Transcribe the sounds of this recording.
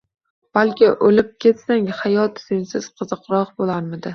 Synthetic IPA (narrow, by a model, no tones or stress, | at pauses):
b̥alkʲɪʔolɪp̚kʲʰe̞t̪saŋhajɒt̪z̥ɪnsɪz̥qʰɨzɨqɾɒqbolˠaɾmɪd̪ɪ